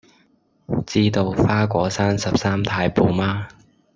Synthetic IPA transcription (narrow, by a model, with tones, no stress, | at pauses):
t͡siː˥t̪o˧wfaː˥kʷɔː˨˥saː˥nsɐ˨p̚saː˥mt̪ʰaː˧jpo˨˧wmaː˥